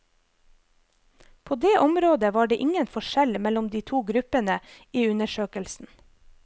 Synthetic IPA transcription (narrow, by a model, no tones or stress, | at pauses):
pʰoːd̪eːʔɔmɾoːd̪əʋɑːɖeːʔɪŋənfɔʃɛlmɛlɔmd̪iːt̪ʰuːɡɾʉpənə | iːʉnəʃøːkəlsn̩